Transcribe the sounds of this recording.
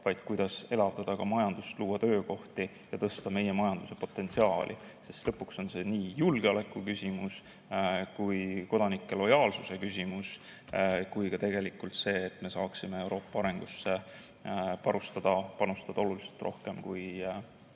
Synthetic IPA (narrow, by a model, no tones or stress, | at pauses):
vɑjd̪̥kujd̪̥ɑse̞lɑvd̪̥ɑd̪̥ɑkɑmɑjɑnd̪̥ust̪luːwɑt̪ø̞ːko̞ht̪i | jɑt̪ɤst̪ɑme̞je̞mɑjɑnd̪̥use̞po̞t̪ːˑe̞nt̪siɑːlʔḭ | sest̪lɤpːˑukso̞nse̞niːjulɡ̥eɑle̞kːˑukysʲimus | kujko̞d̪̥ɑnikːˑe̞lo̞jɑːlsuse̞kys̬ʲimus | kujkɑt̪e̞ɡ̥e̞likːˑult̪se̞ːt̪ːme̞sɑːksimee̞wɾo̞ːpːˑɑɑɾe̞ŋɡ̥usːe̞ | pɑɾust̪ɑd̪̥ɑpɑnust̪ɑd̪̥ɑoluliselt̪ˑrʔo̞hke̞mkuj